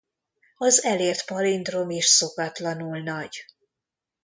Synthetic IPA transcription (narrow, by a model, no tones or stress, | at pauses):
ɒzɛleːrt̪pɒlind̪ro̞miʃso̞kɒt̪lɒnulnɒɟ